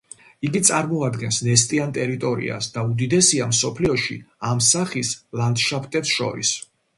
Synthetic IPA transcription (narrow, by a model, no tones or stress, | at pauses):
iɡit̪sʼaɾmɔad̪ɡɛnsnɛst̪ʼiant̪ʼɛɾit̪ʼɔɾḭa̰sd̪aud̪id̪ɛsiamsɔpʰliɔʃḭamsaχislˠand̪ʃapʰt̪ʼɛt̪sʃɔ̰ɾḭs